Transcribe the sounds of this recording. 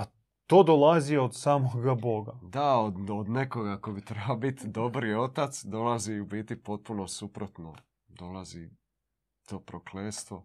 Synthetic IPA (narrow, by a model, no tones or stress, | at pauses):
a | t̪o̞ːd̪olˠaziod̪saːmoɡabo̞ɡad̪aod̪od̪nekoɡakobit̪ɾebalobit̪d̪o̞bɾio̞t̪at̪sd̪o̞laziubiːt̪ipo̞t̪̚punosupɾot̪no̰ | d̪o̞lˠazi | t̪o̞ːpɾokleːst̪ʋo̞